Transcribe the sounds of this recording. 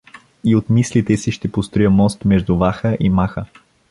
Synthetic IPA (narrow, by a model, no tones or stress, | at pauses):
iot̪mislit̪ɛsiʃt̪ɛpost̪ɾojəmɔst̪mɛʒd̪ʊvaxəʔimaxə